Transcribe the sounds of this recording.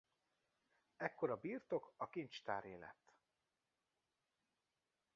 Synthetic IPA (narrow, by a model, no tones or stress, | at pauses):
ɛkːo̞ɾɒbiːrt̪o̞kɒkint͡ʃt̪a̰ːɾeːlɛ̰t̪ː